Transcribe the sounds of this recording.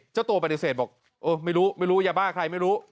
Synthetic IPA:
t͡ɕa˥˩wt̪u˧ə˧pa˧di˧˩seː˨˩t̪̚bɔː˨˩k̚ | ʔɤː˧ma˥˩jɾuː˦˥ma˥˩jɾuː˦˥jaː˧baː˥˩kʰɾa˧jma˥˩jɾuː˦˥

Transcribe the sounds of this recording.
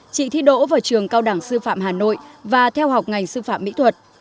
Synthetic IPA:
t͡ɕḭ˧˨t̪ʰi˧ɗo̰˧˥vaː˨˩t͡ɕɨ˨˩əŋkaː˧wɗaː˧˩ŋsɨ˧fa̰ː˧˨mɦaː˨˩no̰˧˨jvaː˨˩t̪ʰɛ˧wɦa˨˩wk͡p̚ŋa˨˩jŋ̟sɨ˧fa̰ː˧˨mːḭ˧˥t̪ʰwə˨˩t̚

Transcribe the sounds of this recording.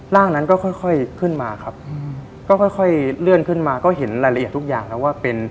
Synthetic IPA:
ɾaː˥˩ŋna˦˥nkɔː˥˩xʰɔ˥˩jxʰɔ˥˩jkʰɯ˥˩nmaː˧kʰa˦˥p̚ | kɔː˥˩xʰɔ˥˩jkʰɔ˥˩jlɯ˥˩ənkʰɯ˥˩nmaː˧kɔː˥˩ɦe˩˦nɾaː˧jla˧ʔi˨˩t̪ʰu˦˥k̚ja̰ː˨˩ŋlɛː˦˥waː˥˩pe˧n

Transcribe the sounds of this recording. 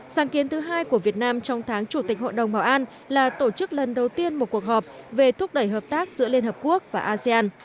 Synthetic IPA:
saː˨˦ŋki˨˦ənt̪ʰɨ˨˦ɦaː˧jku˧˩əvi˨˩ət̚naː˧mt͡ɕɔ˧wŋ͡mt̪ʰaː˨˦ŋt͡ɕu˧˩t̪ï˨˩k̟̚ho̰˧˨jɗə˨˩ŋ͡mɓaː˧˩wʔaː˧n | laː˨˩t̪o˧˩t͡ɕɨ˦˥k̚lə˨˩nɗə˨˩wt̪i˧ənmo˨˩t̚ku˨˩ək̚hɔ˨˩p̚ve˨˩t̪ʰʊ˦˥k͡p̚ɗə˧˩jɦəː˨˩p̚t̪aː˦˥k̚zɨ̰˧˥əli˧ənhəː˨˩p̚ku˦˥ək̚vaː˨˩ʔaː˧se˧aː˧n

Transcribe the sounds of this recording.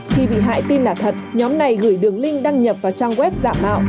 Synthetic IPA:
xi˧ɓḭ˧˨ɦa̰ː˧˨jt̪i˧nlaː˨˩t̪ʰə˨˩t̚ɲɔ˨˦mna˨˩jɣɨː˧˩jɗɨ˨˩əŋlï˧ŋ̟ɗaː˧ŋɲə˨˩p̚vaː˨˩t͡ɕaː˧ŋɣwɛ˦˥p̚za̰ː˧˨mʔa̰ː˧˨w

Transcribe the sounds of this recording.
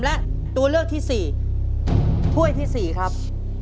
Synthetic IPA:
mlɛ˦˥ʔ | t̪u˧ɐlɯ˥˩ək̚t̪ʰiː˥˩siː˨˩ | t̪ʰu˥˩əjt̪ʰiː˥˩siː˨˩kʰɾa˦˥p̚

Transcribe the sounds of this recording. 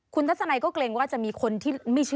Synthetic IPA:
kʰu˧nt̪ʰt̚sa˧na˧jkɔː˥˩kleː˧ŋwaː˥˩t͡ɕa˨˩ʔmiː˧kʰo˧nt̪ʰiː˥˩ma˥˩jt͡ɕʰɯ˥

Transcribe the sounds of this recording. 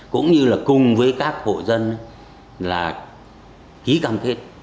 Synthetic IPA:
kʊ̰˧˥ŋ͡mɲɨ˧laː˨˩kʊ˨˩ŋ͡mvəː˨˦jkaː˦˥k̚ho̰˧˨zə˧n˨˦ | laː˨˩ | ki˨˦kaː˧mt̪ʰe˦˥t̚

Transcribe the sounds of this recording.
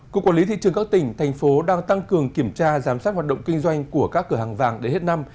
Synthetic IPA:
ku˨˩əkwaː˧˩li˨˦t̪ʰḭ˧˨t͡ɕɨ˨əŋkaː˦˥k̚t̪ï˧˩ŋ̟t̪ʰɛ˨˩jŋ̟fo˨˦ɗaː˧ŋt̪a˧ŋkɨ˨˩əŋki˧˩əmt͡ɕaː˧zaː˨˦msaː˦˥t̚waː˨˩t̚ɗə̰˧˨wŋ͡mki˧ŋ̟zwa˧jŋ̟ku˧˩əkaː˦˥kːɨ˧˩ɦaː˨˩ŋva̰ː˨˩ŋɗe˨˦nhe˦˥t̚na˧m

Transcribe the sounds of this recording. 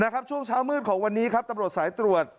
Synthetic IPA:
na˦˥kʰa˦˥p̚t͡ɕʰu˥˩ŋt͡ɕʰaː˦˥wmɯː˥˩t̪̚kʰɔː˩˦ŋwa˧nːiː˦˥kʰa˦˥p̚t̪a˧mɾu˨˩ət̪̚saː˩˦jt̪ɾu˨˩ət̪̚

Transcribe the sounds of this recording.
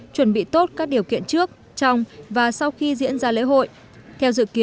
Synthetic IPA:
t͡ɕwə˧˩nɓḭ˧˨t̪o˦˥t̚kaː˦˥k̚ɗi˨˩əwkḭ˧˨ənt͡ɕɨ˦˥ək̚ | t͡ɕɔ˧wŋ͡mvaː˨˩sa˧wxi˧zḭ˧˥ənzaː˧lḛ˧˥ɦo̰˧˨j | t̪ʰɛ˧wzɨ̰˧˨ki˨˦

